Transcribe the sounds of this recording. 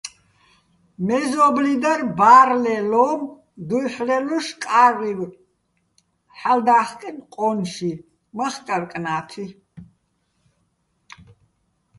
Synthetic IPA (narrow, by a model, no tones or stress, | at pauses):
mɛzɔblid̪aɾbaːɾlɛlɔːm | d̪ujħlɛluʃkʼariw | ħald̪aχkʼimqʼɔnʃi | maχkʼarkʼnaːt̪ʰi